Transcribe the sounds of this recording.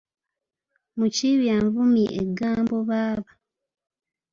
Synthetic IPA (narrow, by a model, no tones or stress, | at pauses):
muciβjaɱvumiʔeɡːaːmbo̞βaːβa